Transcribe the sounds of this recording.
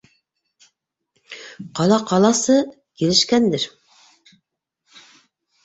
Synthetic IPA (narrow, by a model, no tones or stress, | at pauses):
qʰɑlˠɑqʰɑlˠɑsɤ | kʲʰelɪʃkʲænd̪ɪɾ